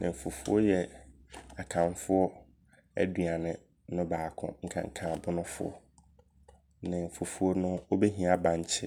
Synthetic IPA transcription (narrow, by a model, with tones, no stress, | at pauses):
nɪ̃˨m̩˨fo˨fu˦ɔ˦jɛ˨ | a˨kʰã˨nfʊ˦ɔ˦ | æ̰˦dɥa˨nɪ̃˨ | nʊ̃˦baː˨kʰʊ̰̃˦ŋ̩˦kʰã̰˨ŋ̩˦˨kʰã˨bʊ˦nʊ̃˦fʊ̰˦ɔ̰˨ | nɪ̃˨m̩˨fo˨fu˦ɔ˦nʊ̃˦o˦be˦ɦĩ˦a˨bã˨ɲ˨t͡ɕʰɪ˦